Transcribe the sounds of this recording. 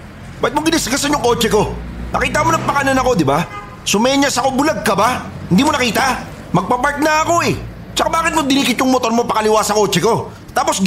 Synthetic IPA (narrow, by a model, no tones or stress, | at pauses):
baɪt̪moɡɪnɪsɡɐsɐɲjʊŋko̞ːt͡ʃɛko̞nɐ̰kiːt̪ɐmonɐŋpɐkanɐnɐko̞d̪ɪba | sʊmɐjaɲasɐko̞bʊlaɡ̚kɐbahɪnd̪iːmonɐkiːt̪ɐ | mɐɡ̚pɐpaɹt̪̚nɐɐko̞ɛ | t͡ʃɐkabaːkɪt̪mod̪ɪniːkɪt̪jʊŋmot̪o̞ɾmopɐkɐlɪwaːsɐko̞ːt͡ʃɛko̞ | t̪aːpo̞s